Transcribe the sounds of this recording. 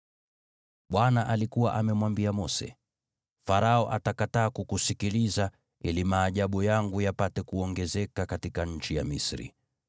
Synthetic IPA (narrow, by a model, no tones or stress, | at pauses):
ɓwanaʔalikuwaʔamɛmwambiamɔsɛ̰ | faɾaɔʔatakataːkukusikiliza | ilimaːʄaɓujaŋɡujapatɛkuɔŋɡɛzɛkakatikaɲ̩t͡ʃija̰misɾḭ